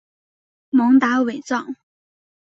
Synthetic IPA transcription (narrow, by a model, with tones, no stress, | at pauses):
mʊ˧˥ŋt̪a˧˥we˨˩ɪt͡sɑ˥˩ŋ